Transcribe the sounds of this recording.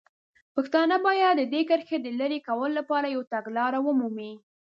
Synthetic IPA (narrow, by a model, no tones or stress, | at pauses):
pəxt̪ɑnəbɑjad̪ːəd̪ekəɾxed̪əlaɾekawəloːapɑɾajawt̪aɡlɑɾawəmumi